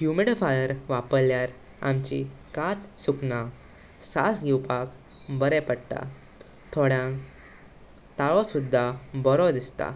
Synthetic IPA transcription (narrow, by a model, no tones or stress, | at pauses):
hjumiɽfajəɾʋapəɾljaɾ | a̰mt͡ɕḭkat̪sukna | sasɡiwpak | bəɾɛpəɽʈ̪a̰ | t̪ʰoɽã | t̪aɭɔsud̪ʱːabɔɾɔd̪ist̪a̰